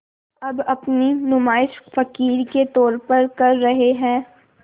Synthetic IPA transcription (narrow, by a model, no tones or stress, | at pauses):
ɐbɐpninʊmaːɪʃfɐkiːɾket̪ɔːɾpɐɾkɐɾːɐɦeɦɛ̃ː